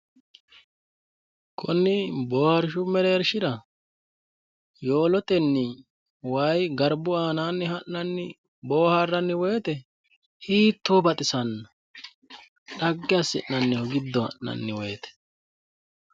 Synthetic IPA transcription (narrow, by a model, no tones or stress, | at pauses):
kʰʊnːɪboːhɐɾʃʊmɛleːɾʃɪɾɐ | jo̞ːlɔt̪ɛnːɪ | wɐjɡɐɾbʊaːnaːnːɪhɐʔːɐnːɪ | bo̞ːhɐrːɐnːɪweːt̪ɛ | hiːt̪ːobɐt̪ʼɪsɐnːɐ | ɗɐɡːɪjɐsɪ̰ʔnɐnːɪhɔɡɪd̪ːɔhɐ̰ʔnɐ̰nːɪwe̞ːt̪ɛ̥